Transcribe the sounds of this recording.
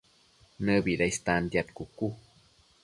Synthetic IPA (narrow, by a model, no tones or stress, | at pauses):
nəbiɾajst̪and̪jat̪kuku